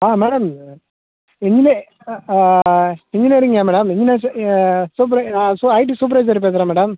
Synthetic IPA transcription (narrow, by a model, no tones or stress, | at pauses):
aːmeːɽɐm | ɛɲd͡ʒineː | ɛɲd͡ʒɪneːɾɯŋɡaːmɛːɽɐmɛɲd͡ʒɪneːssuːp̬ɾɐsuɐɪʈ̬isuːp̬ɾɐɪs̬ɐɾp̬eːs̬ɪɾãːmɛːɽɐm